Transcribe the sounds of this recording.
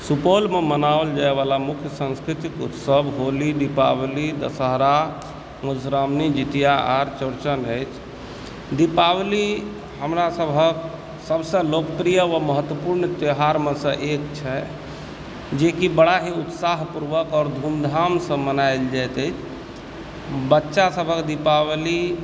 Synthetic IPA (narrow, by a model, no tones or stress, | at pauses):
supolmemənaəld͡ʒaeʋalamukʰjəsə̃nskɾit̪ikṵt̪səbʱɦolid̪ipablid̪ə̰səɦɾa | məsɾamnid͡ʒit̪ijaaɾt͡ʃəɾt͡ʃənəjt͡ʃʰ | d̪ipabli | ɦəmɾasəbʱək̚ | səbsə̃lokpɾijəʋəməɦət̪wəpuɾnt̪eɦaɾmesə̃ʔekt͡ʃʰɛ | d͡ʒekibəɽaɦiut̪saɦpuɾʋəkɔːɾd̪ʱumd̪ʱamsə̃mənajld͡ʒajt̪əɪt͡ʃʰ | bətːʃasəbʱəkd̪ipawli